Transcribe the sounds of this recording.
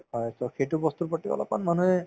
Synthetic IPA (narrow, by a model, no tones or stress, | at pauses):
ɔjsɔxejtʊbɔst̪uɹpɔtːikɔ̰lɔ̰pa̰nmanuɛ